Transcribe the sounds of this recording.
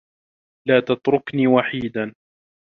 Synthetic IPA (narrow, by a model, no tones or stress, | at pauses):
laːt̪at̪ɾʊkniːwaħiːd̪an